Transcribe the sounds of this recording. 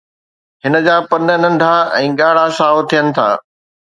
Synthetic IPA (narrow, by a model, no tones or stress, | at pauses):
ɦɪnə̆d͡ʑaːpɐnə̆nɐ̃nd̪ʱaɛ̃ːɠaːɽasaːɦot̪ʰijənɪ̆t̪ʰa̰ː